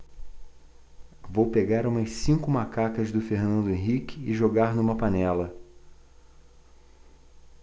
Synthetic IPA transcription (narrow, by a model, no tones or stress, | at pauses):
vowpeɡaɾũmɐsĩŋkʊmakakɐzd̪ʊfeɾnɐ̃nd̪ʊẽɦikɪɪʒoɡaɾnũmɐpanɛlɐ